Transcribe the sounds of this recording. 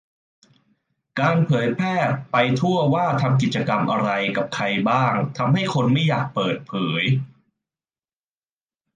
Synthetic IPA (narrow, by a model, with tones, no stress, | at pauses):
kaː˧npʰɤː˩˦jpʰɛː˥˩pa˧jt̪ʰu˥˩ɐwaː˥˩t̪ʰa˧mk̬i˨˩t̪̚t͡ɕa˧ka˧mʔa̰˧ɾa˧jka˨˩p̚kʰa˧jbaː˥˩ŋt̪ʰa˧mɦa˥˩jkʰo˧nma˥˩jːaː˨˩k̚pɤː˨˩t̪̚pʰɤː˩˦j